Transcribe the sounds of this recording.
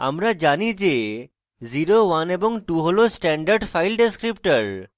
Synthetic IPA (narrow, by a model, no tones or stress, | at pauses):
a̰mɾad͡ʒanid͡ʒe | ziɾoʋanebɔŋʈuɦolosʈɛɳɖəɾɖfʰajlɖeskɾipʈəɾ